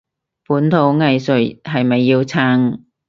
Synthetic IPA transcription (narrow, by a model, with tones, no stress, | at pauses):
puː˨˥nt̪ʰo˨˧˥wŋɐ˨˧jsɵ˨˥˩ɦɐ˨jmɐ˨jːiː˧wt͡sʰaː˧˥ŋ